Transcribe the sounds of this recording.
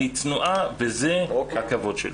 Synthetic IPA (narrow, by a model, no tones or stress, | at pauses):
it͡snuʔavezɛhakavod̥ʃḛl